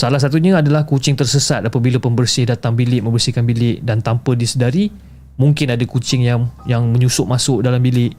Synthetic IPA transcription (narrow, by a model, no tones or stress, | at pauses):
salahsat̪̬uɲaadalahkut͡ʃɪŋt̪ərsəsat̪apabilapəmbərsɪhdat̪aŋbilɪʔ̚məmbərsihkanbilɪʔdant̪ampədisədaɾi | mũŋkɪnadakut͡ʃɪŋjaŋjaŋmə̃ɲusʊʔmasʊʔdalambilɪʔ